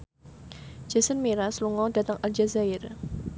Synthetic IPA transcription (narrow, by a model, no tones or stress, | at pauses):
d͡ʒasənmiɾasluŋɔda̤t̪əŋald͡ʒazair